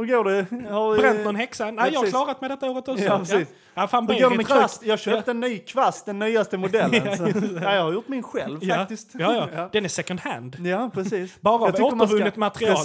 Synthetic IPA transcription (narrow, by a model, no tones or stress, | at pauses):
hɵɾɡoːɖɛhaɾɾɛnt̪nɔnhɛksanæjɑhaklːɾat̪mɛɪd̪ɛt̪ːaoːɾət̪ɔiːs | afaːnɵɡovast̪jɑːɡɕøːpt̪əɛnːyːkʰvast̪̚d̪ɛnːyːast̪əmʊd̪ɛlːjajɑɡhaɾjʊʈ̪ːmɪnɧɛlvfjakt̪ɪst̪jɑːjɑd̪̥ɛnæsɛkənhæ̰nd̪japʰɾɛsiːsbɑːɾavoːəəɾvɵnːɪt̪mat̪ɾɪɑːl